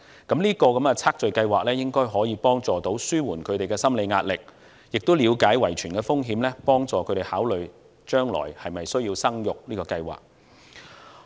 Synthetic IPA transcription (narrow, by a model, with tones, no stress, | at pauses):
kɐ˨˦˥mliː˥kɔː˧kɐ˨˦˥mkɛ˧t͡sʰaː˥k̚t͡ʃɵ˨ɥkɐ˧jwaː˨k̚lɛː˥jɪ˥ŋkɔː˥jɦɔː˨˥jiː˨˧pɔː˥ŋt͡sɔː˨t̪o˨˥wsyː˥wuː˨˩nkʰɵ˨˧ɥt̪e˨jkɛː˧sɐ˥mle˨˧jŋaː˧t̚lɪ˨k̚ | jɪ˨k̚t̪o˥wliː˨˧wkaː˨˥jwɐ˨˩jt͡ʃʰyː˨˩nkɛː˧fʊ˥ŋɦiː˨˥mlɛː˥pɔː˥ŋt͡sɔː˨kʰɵ˨˧ɥt̪e˨˩haː˨˥wlɵ˨ɥ | t͡ʃœː˥ŋlɔ̰ː˨˩jhɐ˨jmɐ˨jsɵ˥ɥjiː˧wsɐ˥ŋjʊ˨k̚liː˥kɔː˧kɐ˧jwa̰ː˨˩k̚